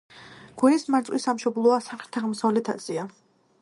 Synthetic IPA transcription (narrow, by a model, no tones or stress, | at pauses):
ɡ̥wɛismaɾt̪sʼwisːamʃɔblˠɔasaχɾ̥t̪ʰaʁmsɔlɛt̪ʰa̰t̪sʼia